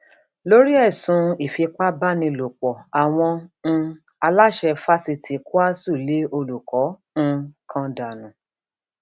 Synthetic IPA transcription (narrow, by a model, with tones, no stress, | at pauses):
lo˦ɾi˦ɛ˦˨sũ˨˦i˨fi˧k͡pa˦ba˦˨nĩ˧lo˨k͡pɔ˨a˨w̃ɔ̃˧ñ̩˧ | a˧la˦ʃɛ˧fa˦si˧ti˨ku˦a˦su˦˨le˨˦o˧lu˨kɔ˨˦ | ñ̩˧kʰã˧da˨nũ˨